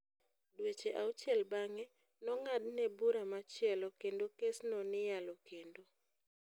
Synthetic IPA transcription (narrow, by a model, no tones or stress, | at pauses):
dwet͡ʃeʔaut͡ʃjɛlbaŋɛ | nɔŋadnɛbuɾamat͡ʃɪɛlɔkendokesnɔnɪjalɔkendo